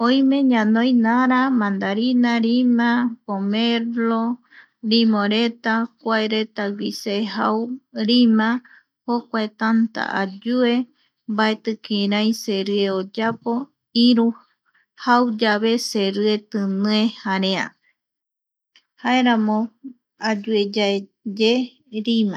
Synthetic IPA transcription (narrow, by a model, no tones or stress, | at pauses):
õj̃meɲãnõjnaɾamãnd̪aɾinaɾimãpomeɾlo | ɾimõɾe̞t̪akʷaeɾe̞t̪aɡʷiseha̰wɾimã | hokʷaet̪ant̪a̰ʔa̰d͡ʒue̞ | mbaet̪ɨkiɾãjseɾɨeod͡ʒapo̞ | iɾu | hawd͡ʒaβeseɾɨe̞t̪ɨnɨẽhaɾea̰ | haeɾãmõ | ad͡ʒued͡ʒaed͡ʒe | ɾimã